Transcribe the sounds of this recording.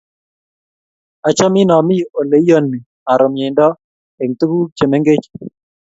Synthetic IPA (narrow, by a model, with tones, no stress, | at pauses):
a˨t͡ʃɔ˦mɪ˦nɔ˨mɪ˦˨o˨le˨˦jo˦nːɪ˨ | a˨ɾɔ˨mje˨ndɔ˦ | e˨ŋt̪u˦ɡu˦t͡ʃe˨me˦ŋɡe˦t͡ʃ